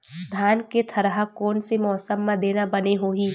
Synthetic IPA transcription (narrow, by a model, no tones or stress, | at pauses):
d̪ʱaːnket̪ʰɐɾɦakɔːnsemɔːsəmːãd̪eːnabɐneɦoːɦiː